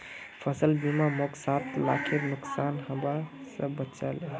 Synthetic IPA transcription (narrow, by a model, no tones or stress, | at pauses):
pʰəsəlbimamɔksat̪ʰla̰kʰiɾnʊksanɦəbasəbətːt͡ʃal